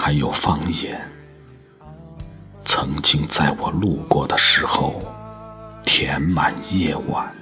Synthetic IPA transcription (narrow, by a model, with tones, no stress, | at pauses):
xa˧˥ɪjo˨˩ʊfɑ˥˧ŋjɛ˨˩n | t͡sʰɤ˧˥ŋt͡ɕi˥ŋt͡sa˥˩ɪwɔ˨˩lu˥˧kwɔ˥˩d̪ə˩ʂɻ̩˧˥xo˥˧ʊ | t̪ʰjɛ˧˥nma˨˩njɛ˥˩wa̰˨˩˦n